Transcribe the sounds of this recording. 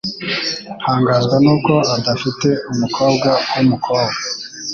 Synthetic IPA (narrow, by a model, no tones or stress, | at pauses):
haːŋɡaːzɡanuːko̞adafite̞umukʰo̞ːb̚ɡawumukʰoːbɡa